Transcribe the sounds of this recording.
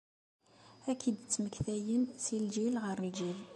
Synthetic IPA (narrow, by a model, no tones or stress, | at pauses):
ækʰːid̪t͡sːməkθæjənsild͡ʒilʁəɾld͡ʒil